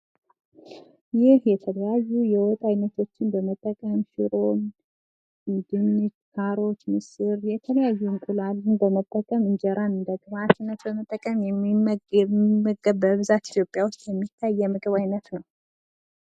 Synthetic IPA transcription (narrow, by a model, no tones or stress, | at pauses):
jɪhjɛt̪ʰələjajːujɛwɔt̪ʼajnət̪ʰo̞t͡ʃːɪnbəmət̪ʼːəkʼəmʃɪ̰ɾo̞m | d̪ɨnːɨt͡ʃkʰaɾo̞t͡ʃmɨsɨɾjɛt̪ʰələjajːuŋkʼulalːɨnbəmət̪ʼːəkʼəmɨnd͡ʒɛɾanɨnd̪əɡʼɨβat̪ɨnːət̪bəmət̪ʼːəkʼəmjɛmɛmːəɡəbəβɨzat̪i̥t̪ʰjopʼjawot͡ʃːjɛmːit̪ʰːajːɛmɨɡʼɨβajnət̪nəw